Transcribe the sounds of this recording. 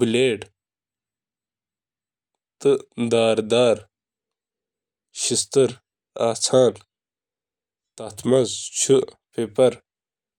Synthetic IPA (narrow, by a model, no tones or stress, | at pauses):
bileːɖ | t̪ɨd̪aːɾd̪aːɾ | ɕist̪ɐɾ | aːt͡sʰaːn | t̪ɐt̪mɐzt͡ɕʰupeːpɐɾ